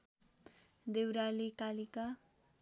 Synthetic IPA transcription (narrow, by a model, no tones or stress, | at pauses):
d̪ewɾalikalika